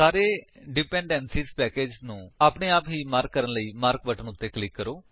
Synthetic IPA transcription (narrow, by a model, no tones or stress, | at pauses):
saːɾeːɖɪpɛ̃ːɳɖɛːnsiːspɛːkeːd͡ʒnũːaːpɳeːaːpɦiːmaːɾkːəɾənləiːmaːɾkʋəʈʰənʊt̪ːeːklɪkːəɾoː